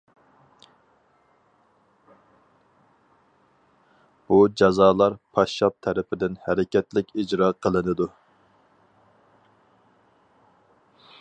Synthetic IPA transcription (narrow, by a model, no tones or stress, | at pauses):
b̥ud͡ʒɑzɑːlˠɑɾpʰɑʃːɑp̚t̪ʰɛɾɪpʰɪd̪ɪnhæɾɪkʲʰɛt̪lɪkʲid͡ʒɾɑːqʰəlˠɨnɨd̪u